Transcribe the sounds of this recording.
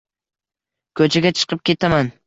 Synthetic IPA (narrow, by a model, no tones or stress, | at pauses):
kʰɵt͡ʃʰaɡʲat͡ʃʰɨ̥qʰɨp̚kʲe̞t̪ʰaman